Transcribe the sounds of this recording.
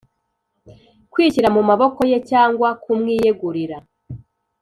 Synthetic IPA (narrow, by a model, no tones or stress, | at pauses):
kwiːciɾamumaβo̞ko̞je̞caːŋɡwakumŋiːjeɡuɾiɾa